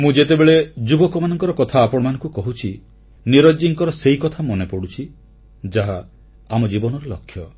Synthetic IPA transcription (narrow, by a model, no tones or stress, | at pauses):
mũd͡ʒet̪ebeɭed͡ʒubɔkɔmanɔŋkɔɾɔkɔt̪ʰaːpɔɽ̃ɔmanɔ̃ŋkukɔɦut͡ʃʰi | niɾɔd͡ʒiŋkɔɾɔseikɔt̪ʰamɔnepɔɽut͡ʃʰi | d͡ʒaɦa | amɔd͡ʒibɔnɔɾelɔkʰːjɔ